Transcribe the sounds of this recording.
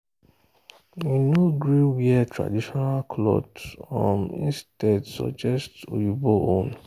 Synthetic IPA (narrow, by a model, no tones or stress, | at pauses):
winoɡɾiwiɛtɾa̰diʃɔnalkʰlɔ̰dɔ̃mḭ̃stɛdsɔ̰d͡ʒɛsto̰juboʔon